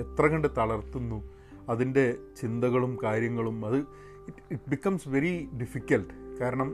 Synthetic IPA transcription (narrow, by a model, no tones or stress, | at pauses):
et̪rɐɣɐɳɖɨt̪ɐɭɐrt̪ːunːu | ɐðinde̞t͡ɕind̪ɐɣɐɭumkaːɾjɐŋːɐɭumɐðɨ | iʈ̚bikːɐmsʋe̞ɾiɖifikʲːɐlʈkaːɾɐɳɐm